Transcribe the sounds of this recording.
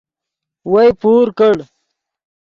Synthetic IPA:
wajpuːɾkəɽ

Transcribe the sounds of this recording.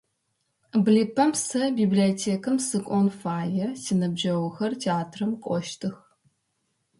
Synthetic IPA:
bliːpʰɐmsɐbiːbliotʰeːkʰɨmsɨkʷʼɔnfaːjɛsiːnɐbʒɐwxɐrtʰeaːtʰrɨmkʷʼɔʃtʰɨx

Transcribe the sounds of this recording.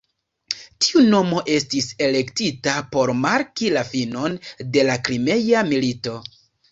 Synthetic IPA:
ti̥uno̞mo̞ʔe̞stise̞le̞ktitapo̞ɾmaɾkilafino̞nde̞lakɾime̞jamilito̞

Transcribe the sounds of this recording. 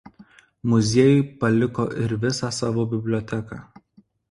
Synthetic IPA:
mʊzʲiɛjʊɪpɐlʲɪko̰ːʔɪɾʋʲɪsɑsɑːʋoːbʲɪbʲlʲɔːt̪ʲɛkɑ̰ː

